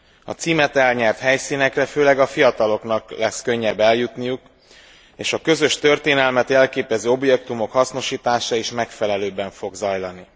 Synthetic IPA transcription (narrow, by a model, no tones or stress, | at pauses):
ɒ̰t̪siːmɛt̪ɛlɲɛrt̪hɛjsiːnɛkrɛføːlɛɡɒfijɒt̪ɒlo̞kn̪ɒklɛskø̞ɲːɛbːɛljut̪nijuk | eːʃɒkø̞zø̞ʃt̪ø̞rt̪eːnɛlmɛt̪ɛlkeːpɛzøːo̞bjɛkt̪umo̞khɒsno̞ʃiːt̪aːʃɒiʃmɛkfɛlɛløːbɛɱfo̞ɡzɒjlɒni